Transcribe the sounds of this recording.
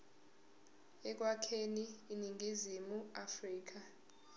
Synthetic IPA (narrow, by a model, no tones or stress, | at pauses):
ɛk̬wakʰeniːniŋʱizimuafriːk̬a